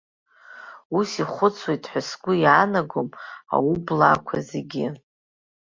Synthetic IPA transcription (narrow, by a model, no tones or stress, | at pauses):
usiχʷʊt͡sʰwejtʰʼħʷʊsɡʷʊjanaɡoma̰wublakʷʰaze̞ɡʲɪ